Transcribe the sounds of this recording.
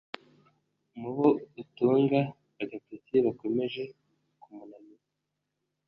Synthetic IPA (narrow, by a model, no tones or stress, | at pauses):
muβoutuːŋɡaː | ɡapitiβako̞me̞ʒe̞ | kumunamiɾa